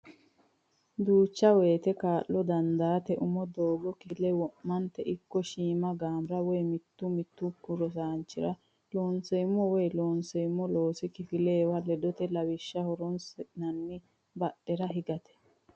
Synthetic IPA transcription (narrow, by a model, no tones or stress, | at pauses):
d̪uːt͡ʃːɐweːt̪ɛkaːʔːɔd̪ɐnd̪aːt̪ɛʔʊmɔd̪oːɡɔkɪlɛwɔʔmɐnt̪ɛʔɪkːɔʃiːmɐɡaːmɾɐwɔjmɪt̪ːʊmɪt̪ːʊkːʊɾɔs̬aːnt͡ʃːɪɾɐ | loːnsɛjmːɔwɔjloːnsɛjmːɔlo̞ːsɪkɪfɪleːwɐlɛd̪ɔt̪ɛlɐwɪʃːɐhɔɾɔnsɛnɐnːɪ | bɐɗɛɾɐɦɪɡɐt̪ɛ̥